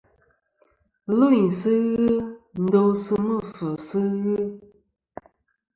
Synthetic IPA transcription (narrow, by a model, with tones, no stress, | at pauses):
lo˦i˨sɨ˦ɣɨ˦n̩˨˦do˦wsɨ˦mə˦˨fə˨sɨ˦ɣɨ˦